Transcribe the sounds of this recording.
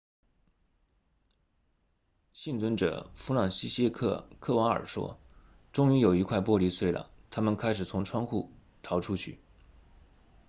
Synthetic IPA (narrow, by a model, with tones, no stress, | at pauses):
ɕi˥˩nt͡swə˥nʈ͡ʂɤ̰˨˩fu˧˥lɑ˨˩ŋɕi˥ɕjɛ˥˧kʰɤ̰˥˩kʰɤ˥˩wɑ˧˥ŋə̰˞˨˩ʂwɔ̰˥ | ʈ͡ʂʊ˥ŋy˧˥jo˨˩ʊi˧˥kʰwa˥˧ɪpwɔ˥˧li˧˥swe˥˩ɪlə̰˩t̪ʰa˥mə˨nkʰa˥ɪʂɻ̩˨˩t͡sʰʊ˧˥ŋʈ͡ʂʰwɑ˥ŋxu˥˩ | t̪ʰɑ˧˥ʊʈ͡ʂʰu˥t͡ɕʰy˥˩